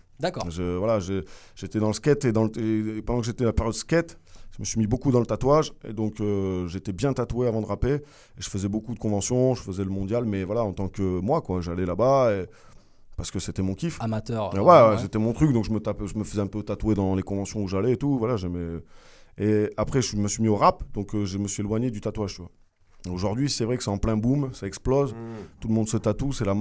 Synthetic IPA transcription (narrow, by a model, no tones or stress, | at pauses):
d̪akɔʒəvwalaʒe | ʒ̥et̪ɛd̪ɑ̃ləskʲɛt̪ed̪ɑ̃ləpɑ̃d̪ɑ̃kəʒet̪ɛlapeʁjɔd̪əskʲɛt̪ʒ̥əməsɥimibokud̪ɑ̃lət̪at̪waʒḛd̪ɔ̃køʒet̪ɛbjɛ̃t̪at̪weavɑ̃d̪əʁape | eʒəfəzɛbokud̪əkɔ̃vɑ̃sjɔ̃ʒəfəzɛləmɔ̃d̪jalmɛvwalaɑ̃t̪ɑ̃kəmwakwaʒalɛlabae | paʁsə̥kəset̪ɛmɔ̃kʲifamat̪œʁwɛset̪ɛmɔ̃t̪χyk̚d̪ɔ̃kʒəmət̪apʒəməfəzɛɛ̃pøt̪at̪wed̪ɑ̃lekɔ̃vɑ̃sjɔ̃uʒalɛːt̪uvwalaʒemɛ | eapχɛʒəməsɥimioʁapd̪ɔ̃kʒəməsɥielwaɲed̪yt̪at̪waʒt̪yvwa | eoʒuʁd̪ɥisɛvʁɛkə̥sɛɑ̃plɛ̃bumsaɛksplɔzt̪uləmɔ̃d̪sət̪at̪usɛlam